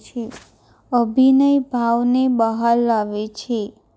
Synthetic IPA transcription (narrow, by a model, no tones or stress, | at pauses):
t͡ʃʰe | əbʱinəjbʱaʋnebəɦalːaʋet͡ʃʰe